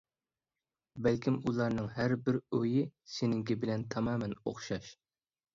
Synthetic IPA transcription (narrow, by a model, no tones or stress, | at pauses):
bɛlkʲimulˠɑɾnɨŋɦæɾbɪɾøjisenɪŋɡʲɛbɪlɛnt̪ʰɑmɑːmɛno̰χʃɑʃ